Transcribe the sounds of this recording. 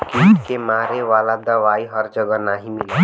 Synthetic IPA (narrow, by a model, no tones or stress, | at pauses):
kiːkemaːɾeʋaːlad̪ɐʋaːiɦɐɾd͡ʒəɡənaɦimɪli